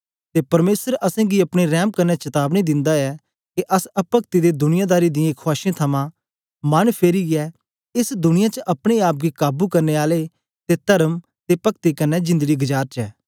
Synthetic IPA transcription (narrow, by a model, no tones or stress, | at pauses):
t̪eːpɐɾmeːsəɾɐsɛ̃ɡiɐpɽ̃eɾɛːmkɐnːɛt͡ʃɐt̪aːbñid̪ɪ̃nd̪aɛ | keʔɐsɐpəkt̪id̪ed̪ʊnɪjãd̪aːɾid̪ɪjãkʰʊaːʃẽt̪ʰɐmã | mɐnpʰeːɾiɛ | ɪsd̪ʊnɪjãt͡ʃəʔɐpɽ̃eaːp̬̚ɡikaːbukɐɾneaːle | t̪et̪ɐɾəm | t̪epɐkt̪ikɐnːɛd͡ʒɪ̃nd̪əɡiɡɐd͡ʒaːɾt͡ʃɛː